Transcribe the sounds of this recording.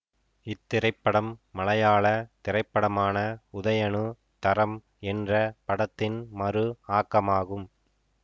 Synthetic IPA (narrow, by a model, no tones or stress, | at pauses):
ɪt̪ːɪɾɐɪpːɐɽɐmːɐlɐjaːɭɐt̪ɪɾɐɪpːɐɽɐmaːnɐʊðɐjɐɳɯ | t̪ɐɾɐm | ɛndrɐpɐɽɐt̪ːɪnmɐɾɯaːkːɐmaːɣɯm